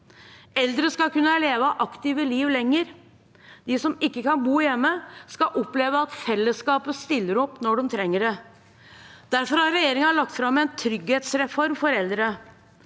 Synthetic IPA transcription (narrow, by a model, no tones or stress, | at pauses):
ɛld̪ɾəskɑkʉnːəleːʋəʔɑkt̪ɪʋəliːʋlɛŋːəɾ | d̪̥ɪsɔmɪkːəkɑnbuːjɛmːəskɑʔɔpleːʋəɑt̪fɛlːəskɑːpəst̪ɪlːəɾɔpːnɔɖɛmt̪ʰɾɛŋːəɖɛ | d̪̥æɾfɔɾhɑɾɾɛjeːɾɪŋɑlɑk̚t̪fɾɑmːɛnt̪ʰɾʏɡheːt̪sɾɛfɔɾmfɔɾɛld̪ɾə